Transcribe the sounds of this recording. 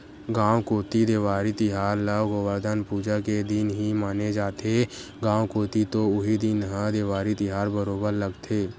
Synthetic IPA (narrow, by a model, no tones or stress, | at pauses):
ɡãːwkoːt̪id̪eːwaːɾit̪ɪɦaːɾləɡowəɾd̪ʱənpuːd͡ʒaked̪ɪnɦimaːned͡ʒaːt̪ʰe | ɡãːwkoːt̪it̪oʊɦid̪ɪnɦãd̪eːʋaːɾit̪ɪɦaːɾbəɾoːbəɾləɡt̪ʰeː